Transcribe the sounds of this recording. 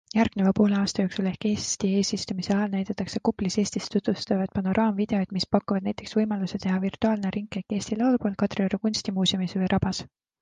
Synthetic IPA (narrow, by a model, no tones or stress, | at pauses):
jærɡ̥nevɑpo̞ːleɑːst̪ɑjoːksule̞hkːe̞ːst̪ie̞ːsist̪umise̞ɑlnæjd̪ɑt̪ːˑɑkse̞kupːˑlise̞ːst̪ist̪ːut̪vust̪ɑvɑd̪̥pɑno̞ɾʔɑːmvid̪̥e̞o̞jd̪̥mispɑkːuvɑd̪næjt̪ːˑe̞ksvɤjmɑluse̞t̪e̞ɦɑvirt̪ˑuɑːlneɾiŋkːˑe̞kːˑe̞ːst̪ilɑwlupo̞ːl̚kɑt̪rioɾukunst̪imuːsʲjumisvəjɾʔɑb̥ɑs